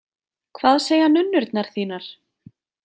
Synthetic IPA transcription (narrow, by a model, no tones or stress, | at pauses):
kʰvaːðseːjhanʏnːʏɾt̪naɾ̥θiːnaɾ̥